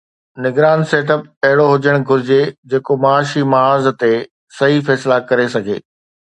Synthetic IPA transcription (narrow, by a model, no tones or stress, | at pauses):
nɪɡɾaːnseːʈ̬əp̚ɐɦɪɽoɦʊd͡ʑəɽ̃ɡʱʊɾɪd͡ʑed͡ʑeːkomɐːʃimɐaːzt̪e | sɐɦifɛːslakɐɾesɐɡʱḛː